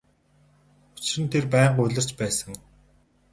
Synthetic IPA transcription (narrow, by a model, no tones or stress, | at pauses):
ʊt͡ɕ̆ɘ̆nt̪ʰerpæːɴɢʊɮʲɪ̆r̥t͡ɕpæːsə̆ŋ